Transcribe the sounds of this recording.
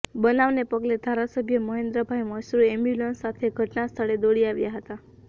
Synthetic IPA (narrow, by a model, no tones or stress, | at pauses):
bənaʋnepəɡled̪ʱaɾasəbʱjəməɦẽnd̪ɾəbʱaɦjməsɾuɛmjulənsat̪ʰeɡʱəʈnast̪ʰəɭed̪oɽiaʋjaɦət̪a